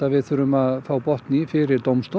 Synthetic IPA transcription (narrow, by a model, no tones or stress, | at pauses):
avɪðθʏɾʏmaðθaːwpɔht̪nɪfɪɾɪɾt̪owmst̪